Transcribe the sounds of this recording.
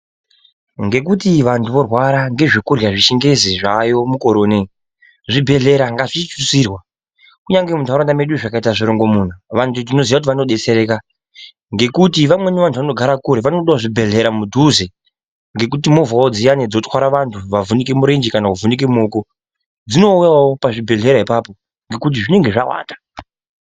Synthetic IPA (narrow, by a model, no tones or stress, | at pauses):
ŋɡe̞kutiʋantʰuʋo̞rwaɾaŋɡe̞ʐikurjaʐiʃiŋɡe̞ziʐajo̞muko̞ɾoːne | ʐibʱe̞ɮe̞ɾaŋɡaʐit͡ʃit͡ʃusiːrwa | kuɲaŋɡe̞muntuaɾandame̞ɗuiʐakaitaʐiɾo̞ŋɡo̞muːn̤uʋantʰudino̞ziʋakut̬iʋano̞ɗe̞t͡se̞ɾeka | ŋɡe̞kutiʋamwe̞niʋantʰuʋano̞ɡʱaɾakuɾeʋanoɗawoʐibʱe̞ɮe̞ɾamudʱuze | ŋɡe̞kutimo̞vawod͡zijaned͡zo̞txwaɾaʋantʰuʋavunikemuɾend͡ʒikanakuvunik̬emoːko | d͡zino̞ujawopaʐibʱe̞ɮe̞ɾaipapo̞ | ŋɡe̞kut̬iʐine̞ŋɡe̞ʐawa̰ːta